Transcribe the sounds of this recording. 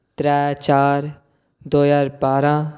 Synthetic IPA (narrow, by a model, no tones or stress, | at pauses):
t̪ɾɛːt͡ʃaːɾ | d̪oːjaːɾbaːɾãː